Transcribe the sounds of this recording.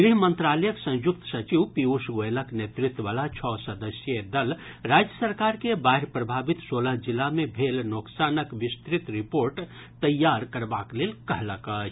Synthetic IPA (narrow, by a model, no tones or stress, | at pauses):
ɡɾiɦmə̃nt̪ɾaːləjəksə̃w̃jʊk̚t̪sɐt͡ʃiwpiusɡoeləknet̪ɾɪt̪wəʋaːlat͡ʃʰɔːsəd̪əsjəd̪ɐlɾaːd͡ʒjəsəɾkaːɾkebaɦɪɾpɾəbʱaːbit̪soːləɦd͡ʒilːamẽbʱeːlnoːksaːnəkʋɪst̪ɾɪt̪ɾipoːɾʈ | t̪əjːaːɾkəɾbaːkleːlkɐɦləkət͡ʃʰ